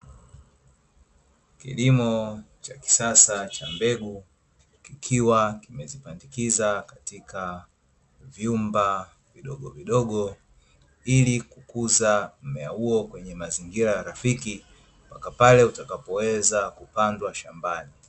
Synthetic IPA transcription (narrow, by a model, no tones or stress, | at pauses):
kḭlimɔt͡ʃaki̥sasat͡ʃambɛɡu | kikʰiwakimɛzipandikizakatikʰa | vjumba | viɗɔɠɔviɗɔɠɔ | ilikukuzam̩mɛahuɔkwɛɲɛmaziŋɡiɾajaɾafiki | pakapalɛutakapɔwɛzakupandwaʃambani